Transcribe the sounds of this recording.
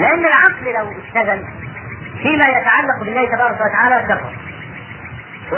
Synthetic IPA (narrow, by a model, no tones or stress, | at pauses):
lɪʔanːɪlʕɑqllawɪʃt̪aɣal | fiːmaːjat̪aʕalːɑqbɪlːæːht̪abɑːɾˤɑkawat̪aʕaːlæɡɑrˤːɑ̰b | wɪ